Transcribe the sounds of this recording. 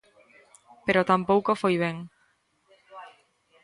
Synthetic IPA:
peɾot̪ampowkofojβeŋ

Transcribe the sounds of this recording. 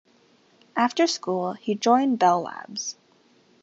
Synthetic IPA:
ʔæftə˞skulˠhid͡ʒɔ̃ɪ̃nbɛlˠlæ̰bz̥

